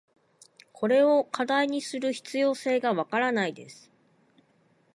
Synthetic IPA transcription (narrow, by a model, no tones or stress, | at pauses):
kʰo̞ɾe̞o̞kad̪aiɲ̟isɨɾɯ̟çi̥t͡sɨjo̞ːse̞ːɡaβakaɾanaid̪e̞̰sɨ̥